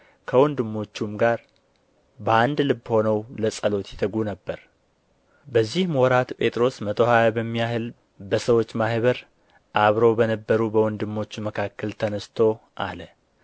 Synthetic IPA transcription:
kʰəwɔnd̪ɨmːo̞t͡ʃːumɡaɾ | bəand̪lɨbːho̞nəwləsʼəlo̞t̪jɛt̪ʰəɡunəbːəɾ | bəzːihmwɔɾat̪pʼe̞t̪ʼɾo̞smət̪ʰʼohajbəmːijaɦɨl | bəsəwo̞t͡ʃːmahβəɾ | ʔaβɾo̞bənəbːəɾubəwɔnd̪ɨmːo̞t͡ʃːməkʰakːəlt̪ʰənəst̪ʰo̞ʔa̰lə

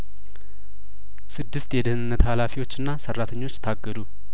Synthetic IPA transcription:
sɨd̪ːɨst̪jɛd̪ɨhnɨnːət̪halafiwo̞t͡ʃːɨnːasərːat̪ʰəɲːo̞t͡ʃːt̪ʰaɡːəd̪u

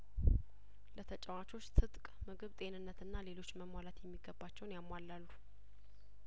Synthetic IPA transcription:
lət̪ʰət͡ʃʼɛwat͡ʃʰo̞t͡ʃːt̪ʰɨt̪ʼkʼmɨɡɨβt̪ʼe̞nɨnːət̪ɨnːale̞lo̞t͡ʃːməmwalat̪jɛmːiɡəbːat͡ʃːɛwnjamːwalːalːu

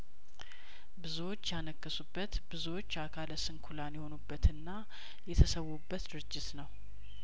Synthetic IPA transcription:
bɨzuwo̞t͡ʃːjanəkːəsubːət̪bɨzuwo̞t͡ʃːakʰaləsɨnkʰulanjɛho̞nubːət̪ɨnːa | jɛt̪ʰəsəwːubːət̪d̪ɨɾɨd͡ʒːɪt̪nəw

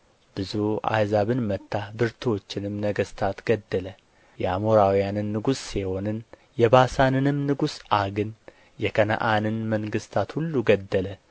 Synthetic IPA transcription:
b̥ɨzua̰jzaβɨnmət̪ːabɨɾt̪ʰwo̞t͡ʃːɪnɨmnəɡəst̪ʰat̪ɡ̥əd̪ːələ | jɛamoɾawijanɨnːɨɡusːiho̞nɨn | jɛbasanɨnɨmnɨɡusʔaɡɨn | jɛkʰənə̰ʔanɨnməŋɡɨst̪ʰat̪hulːuɡəd̪ːələ

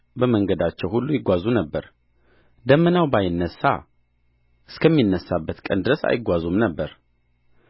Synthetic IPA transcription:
bəməŋɡəd̪at͡ʃːɛwhulːujɪɡʷazunəbːəɾ | d̪əmːənawbajɪnːəsːa̰ | ʔɨskʰəmːinːəsːabːət̪kʼənd̪ɨɾəsa̰jɪɡʷazumnəbːəɾ

